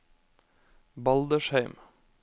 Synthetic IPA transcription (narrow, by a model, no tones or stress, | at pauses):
bɑld̪əʃheɪm